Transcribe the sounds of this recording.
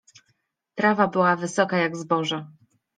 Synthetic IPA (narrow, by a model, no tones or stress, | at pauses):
tɾavabɘwavɘsɔkajaɡzbɔʐa